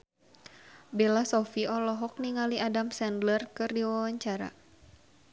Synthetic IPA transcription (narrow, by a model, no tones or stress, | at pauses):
belasɔfiɔlɔɦɔk̚niŋaliadamsɛndlərkɨrdiwawaɲt͡ʃaɾa̰